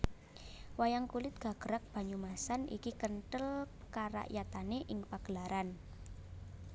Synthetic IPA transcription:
wajaŋkulɪt̪̚ɡ̥a̤ɡ̥əɾak̚b̥a̤ɲumasanḭkikənʈəlkaɾa̰ʔjat̪aneʔɪŋpaɡ̥əlaɾan

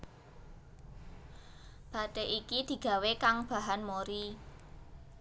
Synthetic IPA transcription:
b̥a̤ɖ̪̥eʔikid̪̥i̤ɡ̥a̤wekaŋb̥a̤ɦanmoɾi

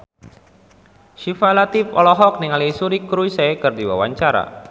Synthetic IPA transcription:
ʃifalat̪ifɔlɔɦɔk̚niŋalisuɾikɾuisakɨrdiwa̰waɲt͡ʃaɾa̰

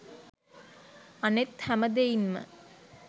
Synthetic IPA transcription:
ɐnet̪hæmɐd̪ejinmə̰

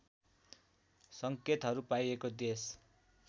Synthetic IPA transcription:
sʌŋket̪ɦʌɾupajekod̪es

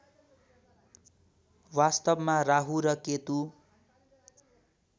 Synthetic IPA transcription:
wast̪ʌbmaraɦuɾʌket̪u

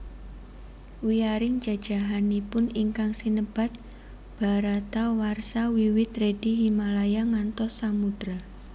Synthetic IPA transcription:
wiaɾɪŋ̥d͡ʒ̥a̤d̥ʒ̥a̤ɦanipʊniŋkaŋsinəb̥a̤t̪̚ | b̥a̤ɾat̪awarsawiwɪt̪ɾed̥iɦimalajaŋant̪ɔsːamud̥ɾa

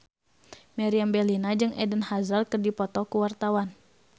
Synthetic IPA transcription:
mɛɾiambɛlinad͡ʒɨŋɛdənhazarkɨrdipɔt̪ɔkuwart̪awan

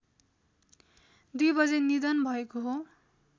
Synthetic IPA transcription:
d̪ujbʌd͡zenid̪ʌnbʱʌekoɦo

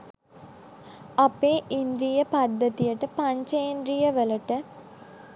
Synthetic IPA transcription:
apeːʔind̪ɾijəpad̪ːət̪ijəʈəpaɲt͡ʃəjind̪ɾijəʋələʈə

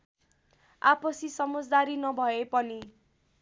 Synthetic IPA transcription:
apʌsisʌmʌd͡zd̪aɾinʌbʱʌepʌni

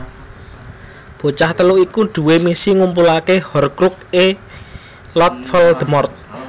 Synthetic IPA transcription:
b̥o̤t͡ʃaht̪əluʔikuɖ̪̥ṳwemisiŋumpulakehɔrkɾuk̚e | lɔt̪̚fəld̪̥ə̤mɔrt̪̚

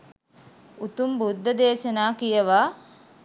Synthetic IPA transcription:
ut̪umbud̪ʱːɐd̪eːʃɐnaːkijəʋaː

